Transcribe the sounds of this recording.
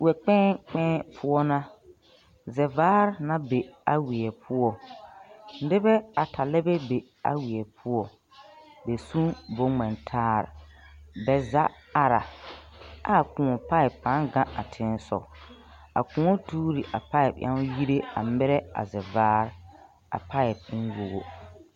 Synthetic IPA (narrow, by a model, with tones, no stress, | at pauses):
wɛ˨k͡pɛ̃ː˦k͡pɛ̃ː˦pʰʊ˦ɔ˦nã˦ | zɛ˨vaː˦ɾnã˦be˨a˨wi˨ɛ˨pʰʊ˦ɔ˨˦ | dɪ˦bɛ˦a˨tʰa˨lɛ˦bɛ˦be˨ | a̰˦wi˨ɛ˨pʰʊ˦ɔ˨ | be˨sũ˦bo˦ŋɛ˨ntʰaː˦ɾɪ̰˨bɛ˨za˦a˨ɾa̰˨ | a˦˨kũ˨ɔ˨pa˦ɪ˨pːã˨˦ɡã˦ʔa˨tʰɪ̃˦n˦sɔ̰˨ | a̰˨kũ˨ɔ˦tuː˦ɾi˨ʔa˨pa˦ɪ˨pʔa̰˦ji˦ɾe˦a̰˨mɪ˦ɾɛ˦a̰˨zɛ˨vaː˦ɾ | a̰˨pʰa˦ɪ˨b̚ɪ˦nwo˨ɣo˦